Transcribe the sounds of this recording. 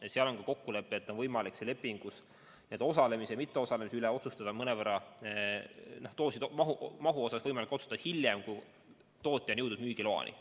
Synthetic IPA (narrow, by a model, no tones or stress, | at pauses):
seɑlo̞nkɑko̞kːule̞pːˑet̪ːˑonvɤjmɑliksele̞pːˑiŋɡ̥us | neːd̪o̞sɑle̞misemit̪ːe̞o̞sɑle̞misyleo̞t̪sust̪ɑd̪̥ɑmɤnevæɾɑ | noht̪o̞ːsid̪̥mɑɦumɑɦuo̞sɑsvɤjmɑliko̞t̪su̥t̪ɑd̪ɑhilʲje̞mkuj | t̪o̞ːt̪ʲːˑjɑnɤwd̪ud̪̚myːɡ̥ilo̞ɑ̰nʔḭ